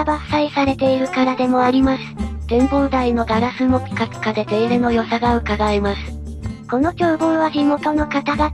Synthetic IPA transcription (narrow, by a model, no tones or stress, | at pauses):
basaisaɾe̞t̪e̞iɾɯ̟kaɾad̪e̞mo̞aɾʲimasɨ̥d̪̥ẽ̞mboːd̪aino̞d̪aɾasɨmo̞pʲi̥kakɯ̟̥kad̪e̞ze̞iɾɯno̞jo̞saɡaɯ̟kaɡaemasɨ̥ | ko̞no̞kʲoːɡõːɰβaçʲimo̞t̪o̞no̞kat̪aɡa